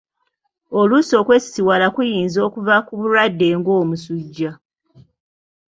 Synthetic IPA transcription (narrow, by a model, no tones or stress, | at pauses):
oluso̞ːkwe̞si̥siwalakujiːnzo̞ːkuvakuβuɾadːe̞ːŋɡo̞ːmusuɟːa